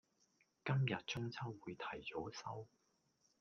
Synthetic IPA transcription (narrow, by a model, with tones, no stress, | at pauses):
kɐ˥mjɐ˨t̚t͡sʊ˥ŋt͡sʰɐ˥wwuː˨˧jt̪ʰɐ˨˩jt͡so˨˥sɐ˥w